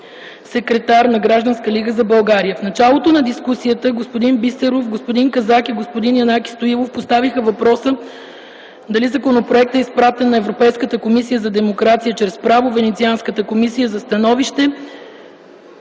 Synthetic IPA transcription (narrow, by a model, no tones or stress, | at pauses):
sɛkɾɛt̪aɾnɐɡɾaʒd̪ɐnskəliɡəzɐbɐlˠɡaɾijəfnɐt͡ʃalˠot̪onɐd̪iskusiət̪əɡospod̪inbist̪ɛɾofɡospod̪iŋkɐzakiɡospod̪injɐnaki̥st̪oivˠofpost̪avixəvɐpɾɔsə | d̪ɐlizɐkonopɾoɛk̚t̪əispɾat̪ɛnːɐɛvɾopɛjskət̪əkomisijəzɐd̪ɛmokɾat̪sijət͡ʃɾɛspɾavovɛnɛt̪sianskət̪əkomisijəzɐst̪ɐnɔviʃt̪ɛ